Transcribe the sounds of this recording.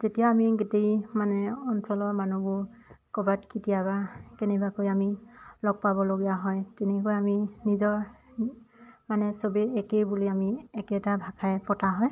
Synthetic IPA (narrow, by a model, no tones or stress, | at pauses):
zetijaamiɡetejmanɛɔnsɔlɔɹmanubʊɹkɔbatkitijabakenɛbakojamilɔɡ̚pabɔloɡijaɦɔjtɛnɛkojaminizɔɹ | manɛsobeɛkejbuliamiɛkɛtabʱakʰajpɔtaɦɔj